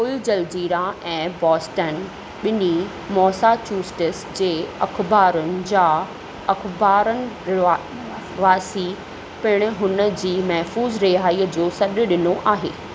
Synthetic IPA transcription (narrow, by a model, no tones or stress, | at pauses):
old͡ʑɐld͡ʑiːɾaɛ̃ːbɔːsʈən | ɓɪni | mɔːsat͡ɕuːsʈɪsd͡ʑeːɐ̰kʰbaːɾʊnɪ̆d͡ʑaː | ɐkʰbaːɾənɪ̆ | ʋaːsi | pɪɽ̃ʊ̆ɦʊnə̆d͡ʑiːmɐɦfuːzɾɪɦaːiəd͡ʑoːsɐɗʊ̆ɗɪnoʔaːɦeː